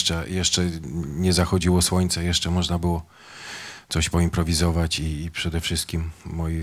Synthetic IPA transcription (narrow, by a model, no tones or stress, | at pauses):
t͡ʂɛjɛʂt͡ʂɛɲɛzaxɔd͡ʑiwɔswɔɲt̪sɛjɛʂt͡ʂɛmɔʐnabɘwɔ | t̪sɔɕpɔimpɾɔvʲizɔvat͡ɕiːpʂɛd̪ɛfʂɘst̪kʲimːɔji